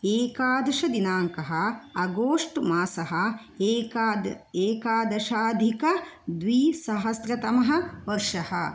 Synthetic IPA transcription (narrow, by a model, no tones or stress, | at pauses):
eːkaːd̪ʂɐd̪inaːŋkɐɦɐɐɡoːʂʈmaːsɐɦɐ̆ | eːkaːd̪ɐʃaːd̪ʱikɐd̪ʋiːsɐɦɐsɾɐt̪ɐmɐɦɐ̆ʋɐɾʂɐhɐ